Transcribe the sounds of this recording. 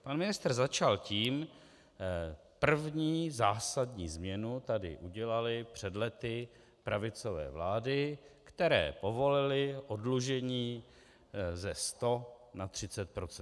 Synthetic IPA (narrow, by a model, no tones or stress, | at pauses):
panmɪnɪst̪r̩zat͡ʃalciːm | pr̩vɲiːzaːsadɲḭːzmɲɛnut̪adɪ̰ʔuɟɛlalɪpr̝̥ɛdlɛt̪ɪ | pɾavɪt͡sovɛ̰ːvlaːdɪkt̪ɛɾɛ̰ːpo̞vo̞lɪlɪʔo̞dluʒɛɲiː | zɛst̪o̞nat̪r̝̥ɪt͡sɛt̪̚pɾot͡sɛ